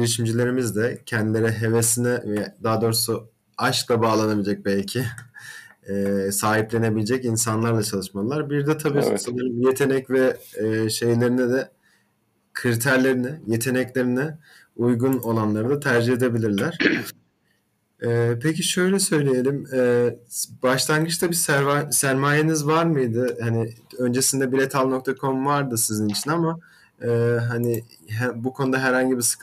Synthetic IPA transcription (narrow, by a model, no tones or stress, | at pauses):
iɾiʃimd͡ʒilʲe̞ɾimizd̪ɛcʰɛnd̪ilʲe̞ɾiɦe̞ve̞sinɛvɛd̪aːd̪o̞ɾusu | aʃklˠabaːlˠanabid͡ʒac̚bælʲcʰɪ | saːɦiplʲe̞ne̞bilʲed͡ʒɛcinsanlˠaɾlˠat͡ʃʰalˠɯʃmalˠaɾbiɾd̪ɛt̪ʰabisseneɾimje̞t̪ʰe̞nɛcvɛʃe̞jlʲe̞ɾinɛd̪ɛ | kʰɾit̪ʰæɾlʲe̞ɾinɛje̞t̪ʰe̞nɛclʲe̞ɾinɛ | ujɡuno̞lˠanlˠaɾɯd̪at̪ʰæɾd͡ʒiɦed̪e̞bilʲiɾlʲæɾ̥ | ɛːpʰeciʃø̞jlʲɛsø̞jlʲije̞lʲimɛːbaʃlˠanɡɯt͡ʃt̪abisɾasæɾmaːjenizvaɾmɯjd̪ɯhanɪø̞nd͡ʒe̞sind̪ɛbiɾet̪ʰalˠno̞k̚t̪ʰakʰo̞mvaɾd̪ɯsizinit͡ʃʰinama | ɯːɦani | ɦɛbukʰo̞nud̪aɦæɾhaɲɟibisɯ̥k